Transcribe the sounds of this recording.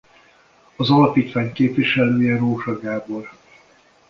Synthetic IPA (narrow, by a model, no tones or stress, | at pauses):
ɒzɒlɒpiːt̪ʋaːɲkeːpʋiʃɛløːjɛroːʒɒɡaːbol